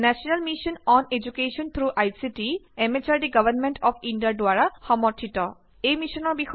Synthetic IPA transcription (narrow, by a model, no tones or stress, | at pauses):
nɛsɔnalmisɔnɔned͡ʒukesɔnt̪ʰɹuʔajsitiɛmet͡ʃaɹdiɡabʱanmɛntɔpʰindijadʊaɹaxɔmɔɹtʰitɔ | ejmisɔnɔɹbix